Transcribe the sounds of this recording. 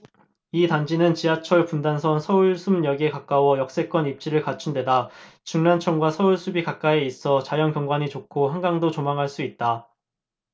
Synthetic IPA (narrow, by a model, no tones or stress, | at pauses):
itand͡ʑinɯnt͡ɕiat͡ɕʰʌɭpundansʰʌnsʰʌuɭsʰumjʌɡe̞kak͈awʌjʌk̚s͈e̞k͈wʌnip̚t͡ɕ͈iɾɯɭkat͡ɕʰundwe̞dat͡ɕuŋnant͡ɕʰʌŋɡwasʰʌuɭsʰubikak͈aeis͈ʌt͡ɕajʌnkjʌŋɡwaɲit͡ɕokʰoɦanɡaŋdot͡ɕomaŋɦaɭs͈uit̚t͈a